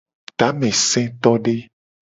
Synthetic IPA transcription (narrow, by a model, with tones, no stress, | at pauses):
t̪a˨˦mɛ̃˨sɛ̃˦t̪ɔ˦ɖe˦